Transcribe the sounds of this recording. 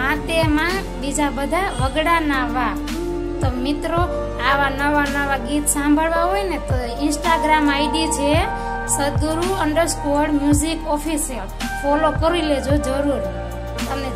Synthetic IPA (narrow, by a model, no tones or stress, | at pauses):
ɦãt̪emã | bid͡ʒabəd̪ʱaʋəɡɽanaʋa | t̪omɪt̪ɾo | aʋanəʋanəʋaɡit̪sãmbʱəɭʋaɦojnet̪o | ɪnsʈaɡɾamajɖit͡ʃʰe | səd̪uɾuəɳɖəɾskoɽmjuzikɔpʰisəɾ | fʰɔlokəɾiled͡ʒod͡ʒəɾuɾ | t̪əmne